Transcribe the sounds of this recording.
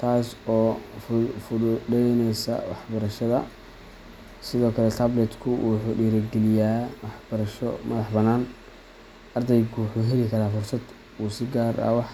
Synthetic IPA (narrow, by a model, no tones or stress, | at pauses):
t̪ʰaːsɔːffʊʊɖɛjnɛjsɐ̰wɑ̰ħbɐɾɐʃɐðɐ | sɪðɔːkʰɐlɛt̪ʰɐblɛd̪kʰʊwʊħʊːɖiːɾɐɡɛlɪjaːwɑħbɐɾɐʃɔmɐðɑħbɐnaːn | ʔɐrd̪ɛjkʰʊwʊħuːɦɛlɪkʰɐɾaːfʊrsɐd̪ | uːsɪɡaːɾɐ̰wɑħ